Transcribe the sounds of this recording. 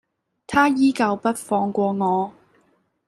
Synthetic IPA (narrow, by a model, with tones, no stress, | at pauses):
t̪ʰaː˥jiː˥kɐ˧wpɐ˥t̚fɔː˧ŋkʷɔː˧ŋɔː˨˧